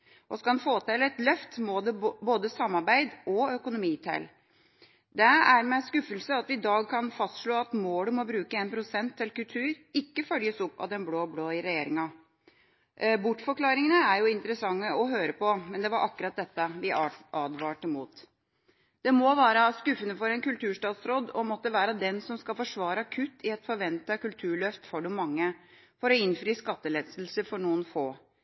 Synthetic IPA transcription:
ʔɔskɑɑnfoːt̪ʰɛlɛt̪lœft̪mɔd̪ɛboːd̪əsɑmːɑɾbæɪd̪ɔœkʊnʊmiːt̪ʰæɪl | d̪ɛæɾmɛskʉfːəlsəɑt̪ʋɪd̪ɑːɡ̚kʰɑnfɑst̪ʂɭoːɑt̪moːləmɔbɾʉːkəeːnpʰɾʊsɛnt̪ʰːɪlkʉlt̪ʰʉːɾɪkːəfœljəsʊpːɑ̰ʋd̪ɛnbloːbloːɪɾɛjeːɾɪŋɑ | bʊʈːfɔɾklɑːɾɪŋənəæɾjʊɪnt̪əɾəsɑŋːəɔɦøːɾəpɔmɛnd̪ɛʋɑɾʔɑkːɾɑt̪̚d̪ɛt̪ːəʋɪʔɑːd̪ʋɑːʈəmuːt̪ | d̪̥ɛmɔʋæːɾəskʉfːənəfɔɾɛnkʉlt̪ʰʉːʂʈɑːt̪sɾoːd̪ɔmɔt̪ːəʋæːɾəd̪ɛnsɔmskɑlfɔʂʋɑːɾəɑkʰʉt̪ʰːɪɛt̪fɔɾʋɛnt̪ɑkʉlt̪ʰʉːɭœft̪fɔɖʊmɑŋːə | fɔɾɔɪnfɾiːskɑt̪ːəleːd̪slsəfɔɳuːənfoː

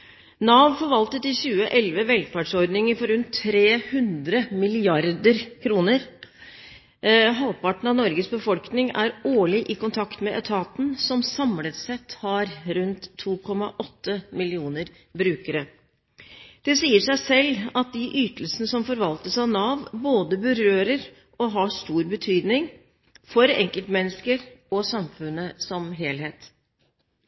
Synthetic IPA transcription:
nɑːʋfɔɾʋɑlt̪ət̪ɪçʉːəʔɛlʋəʋɛlfæɖʂɔɾd̪nɪŋəɾfɔɾʉnt̪ʰːɾeːhʉnd̪ɾəmɪlɪɑɾd̪əɾkʰɾuːnəɾ | ɦɑlpɑʈɳ̩ɑʋnɔɾɡəsbəfɔlknɪŋæ̰ɾoːɭɪʔɪkʊnt̪ʰɑkt̪mɛʔɛt̪ʰɑːt̪n̩sɔmsɑmlət̪sɛt̪hɑɾɾʉnt̪ʰːuːkʰɔmɑʔɔt̪ʰːəmɪlɪuːnəɾ | bɾʉːkəɾə | d̪̥ɛsiːəʂæɪsɛlːɑt̪̚d̪ɪʔyːt̪əl̩snəsɔmfɔɾʋɑlt̪əsɑnɑːʋboːd̪əbʉɾøːɾəɾ | ɔɦɑʂt̪uːɾbət̪ʰyːd̪nɪŋ | fɔɾɛ̰ŋkəlt̪mɛnːəskəɾɔsɑmfʉnːəsɔmɦeːlheːt̪

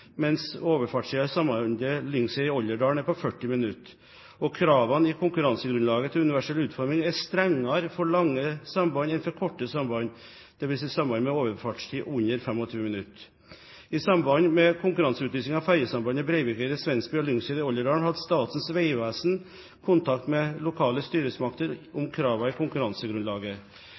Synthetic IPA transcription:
mɛnsoːʋəfɑːʈʂʈ̪iːɑsɑmɑnd̪əlʏŋsɛɪɔlːəɖɑːɳæɾpɔfœʈːɪmɪnʉt̪ː | ɔkʰɾɑːʋɑnɪkʰʊŋkʉɾɑnsəɡɾʉnlɑːɡət̪ʰɪlʉnɪʋæʂɛlʉːt̪fɔɾmɪŋɛst̪ɾɛŋːɑɾfɔɭɑŋːəsɑmbɑnɪnfɔɾkʰɔʈːəsɑmbɑn | d̪̥ɛʋɪlsɪsɑmːbɑnmɛoːʋəfɑːʈʂʈ̪ʰiːʔʉnəɾfɛmɔt̪ʰʉːəmɪnʉt̪ː | ɪsɑmbɑnmɛkʰʊŋkʉɾɑnsəʉːt̪lyːsɪŋɑʋfæɾjəsɑmbɑnəbɾeɪʋɪkəd̪əsʋɛnsbiɔlʏŋsɛːd̪əɔlːəɾɑːɳhɑd̪st̪ɑːt̪n̩sʋeɪʋæːsn̩ | kʰʊnt̪ʰɑkt̪mɛlʊkʰɑːləst̪yːɾəsmɑk̚t̪əɾʊmkʰɾɑːʋɑɪkʰʊŋkʉɾɑnsəɡɾʉnlɑːɡə

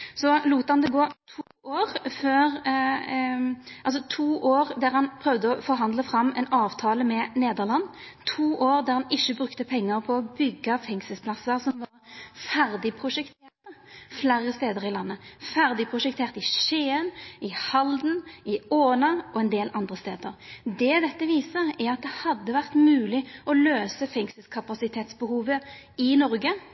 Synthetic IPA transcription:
sɔluːt̪əhɑnd̪ɛɡoːt̪ʰuːoːʁføːɾ | ʔɑls̬ɔt̪ʰuːʔoːʁd̪æʁhɑnpʰʁœʋd̪əɔfɔɾɦɑnd̪ləfʁɑmːɛ̰nɑːʋt̪ʰɑːləmɛneːd̪əʁlɑnːt̪ʰuːʔoːʁd̪æʁhɑnɪʃːəbɾʉkt̪əpʰɛŋːɑʁpʰɔːbʏɡːɑfɛŋsəspʰlɑsːəʁsɔmʋɑʁfæʁd̪ɪpʰɾʊʂɛkt̪ʰeːʁt̪əflæɾəst̪eːd̪əʁɪlɑnːəfæʁd̪ɪpʰʁʊʂɛk̚t̪ʰeːʁt̪əɪʂeːənɪhɑld̪n̩ɪoːnɑɔɛnd̪eːlʔɑnd̪ʁəst̪eːd̪əɾd̪ɛd̪ɛt̪ːəʋiːsəʁæɾɑt̪̚d̪ɛhɑd̪ːəʋæʁt̪mʉːlɪɔløːsəfɛŋsəlskʰɑpɑsɪt̪ʰeːt̪sbəhuːʋəɪnɔɾɡə

